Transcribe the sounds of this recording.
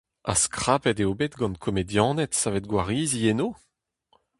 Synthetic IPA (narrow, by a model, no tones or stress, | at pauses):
a̰skχapɛdeobet̪ɡɑ̃nkʰɔmedjɑ̃ːnɛtsavet̚ɡwaʁiːzienoː